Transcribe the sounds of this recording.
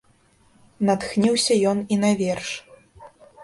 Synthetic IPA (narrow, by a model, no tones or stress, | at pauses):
nɐt̪xnʲiwsʲɐjɔninɐvʲɛrʂ